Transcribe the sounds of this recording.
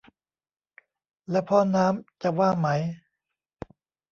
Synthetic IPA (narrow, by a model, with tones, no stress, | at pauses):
lɛ˦˥pʰɔ˧˥˩naː˦˥mt͡ɕa˨˩waː˥˩ma˦˥j